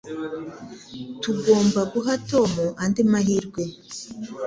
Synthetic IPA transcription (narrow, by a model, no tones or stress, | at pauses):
tuɡo̞ːmbaɡuɦato̞ːmuʔandimaɦiɾɡwe̞